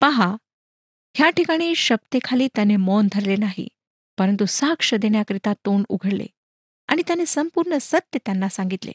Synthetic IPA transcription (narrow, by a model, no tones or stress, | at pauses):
paɦa | ɦjaʈikaɽ̃iːɕəb̚t̪ekʰaliːt̪janemɔnd̪ʱəɾlenaɦḭ | pəɾənt̪usakʂəd̪eɳjakəɾit̪at̪onṵɡʱəɽlḛ | a̰ɽ̃it̪janesəmpuɾɳəsət̪jət̪janːasãŋɡit̪lḛ